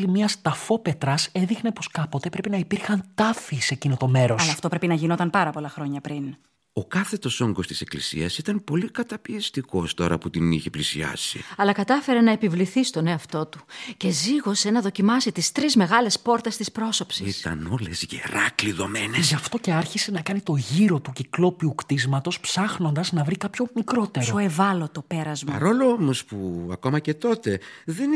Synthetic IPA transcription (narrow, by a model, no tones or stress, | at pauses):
limiɐst̪ɐfo̞pe̞t̪ɾɐseðixnepo̞skɐpot̪e̞pɾe̞pinɐipiɾxɐnt̪ɐfisecinot̪o̞me̞ɾo̞sɐlɐft̪o̞pɾe̞pinɐʝino̞t̪ɐnpɐɾɐpo̞lɐxɾo̞ɲɐpɾin | o̞kɐθe̞t̪o̞so̞ŋɡo̞st̪i̥se̞klisḭɐsit̪ɐnpo̞likɐt̪ɐpiɐst̪iko̞st̪o̞ɾɐ̰put̪iniçe̞plisiɐ̰sḭɐlɐkɐt̪ɐfe̞ɾe̞nɐe̞pivliθist̪o̞ne̞ɐft̪o̞t̪u̥ce̞ziɣo̞se̞nɐðo̞cimɐsit̪ist̪ɾizme̞ɣɐle̞spo̞ɾt̪e̞st̪ispɾo̞so̞psiist̪ɐ̰no̞lezʝḛɾɐkliðo̞meneʝɐft̪o̞ce̞ɐɾçise̞nɐkɐnit̪o̞ʝiɾo̞t̪uciklo̞piukt̪izmɐt̪o̞spsɐxno̞nd̪ɐznɐvɾikɐpço̞mikɾo̞t̪e̞ɾsooevɐlo̞t̪o̞pe̞ɾɐzmɐ̰ɾoloomo̞spuɐko̞mɐce̞t̪o̞t̪e̞ðen